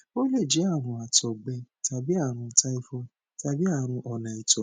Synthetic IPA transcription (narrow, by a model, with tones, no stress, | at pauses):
o˦le˦˨d͡ʒi˨˦a˦˨ɾ̃ũ˧a˨tɔ˨ɡ͡bɛ˧ta˧bi˦a˦˨ɾ̃ũ˧ta˦i˦fɔ˧ | ta˧bi˦a˦˨ɾ̃ũ˧ʔɔ˨nã˨i˨tɔ˨